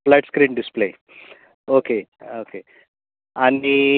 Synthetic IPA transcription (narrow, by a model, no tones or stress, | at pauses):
flajʈskɾiːɳɖisple | okeoke | ani